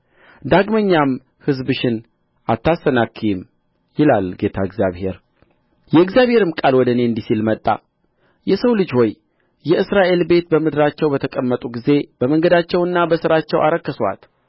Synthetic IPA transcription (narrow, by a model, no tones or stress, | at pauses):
d̪aɡməɲːam | hɨzbɨʃɪn | at̪ːasənakʰːim | jɪlalɡe̞t̪ʰaɨɡzjaβhe̞̰ɾ | jɛɨɡzjaβhe̞ɾɨmkʼalwɔd̪əne̞ɨnd̪isilmət̪ʼːa̰ | jɛsəwlɨd͡ʒho̞j | jɛɨsɾaʔe̞lbe̞t̪bəmɨd̪ɨɾat͡ʃːɛwbət̪ʰəkʼəmːət̪ʼuɡize̞b̥əməŋɡəd̪at͡ʃːɛwɨnːabəsɨɾat͡ʃːɛwʔa̰ɾəkːəswa̰t̪